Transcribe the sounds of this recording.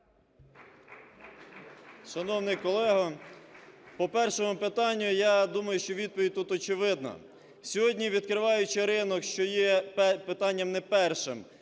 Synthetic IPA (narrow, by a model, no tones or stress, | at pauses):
ʃɐnɔwnɪjkɔlˠɛɦɐ | pɔpɛrʃɔmʊpɪt̪ɑnʲːʊjɑd̪umɐjʊʃt͡ʃɔʋʲid̪̚pɔʋʲid̚ʲt̪ut̪ɔt͡ʃɪʋɪd̪nɐ̰ | sʲɔɦɔdʲnʲiʋʲid̪kɾɪʋɑjʊt͡ʃɪɾɪnɔkʃt͡ʃɔjɛpɪt̪ɑnʲːɐmnɛpɛrʃɪm